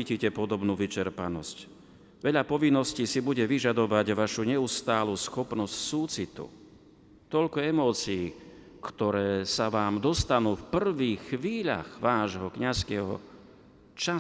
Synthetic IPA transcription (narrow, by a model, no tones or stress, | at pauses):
iːcicɛpɔd̪ɔbnuːʋit͡ʃɛɾpanɔsc | ʋɛʎapɔʋinːɔsciːsibuɟɛʋiʒad̪ɔʋaɟʋaʃuɲɛust̪aːlusxɔpnɔscsuːt͡sit̪ṵ | t̪ɔʎkɔɛmɔːt͡siː | kt̪ɔɾɛːsaʋaːmd̪ɔst̪anuːfpr̩ʋiːxʋiːʎa̰ɣʋaːʒɦɔkɲaskɛːɦɔ̰ | t͡ʃa